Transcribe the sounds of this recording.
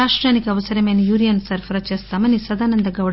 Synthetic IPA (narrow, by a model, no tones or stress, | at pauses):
aːʂʈɾaːnikɐʋɐsɐɾɐmeːnijuːɾijɐnsɐɾfʰɐɾɐt͡ʃeːst̪aːmɐnisɐd̪aːnɐnd̪ɐɡɐwɽ